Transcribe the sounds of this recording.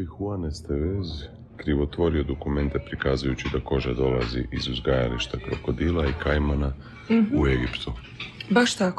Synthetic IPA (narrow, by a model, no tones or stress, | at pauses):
ixuanest̪eʋez | kɾiʋo̞t̪ʋo̞ɾio̞d̪o̞kume̞nt̪e̞pɾikaːzujut͡ɕid̪ako̞ʒad̪o̞lazḭʔizuzɡajaliʃt̪akɾo̞̰ko̞d̪ilˠaikajmana | ueɡipt̪u | baʃt̪ak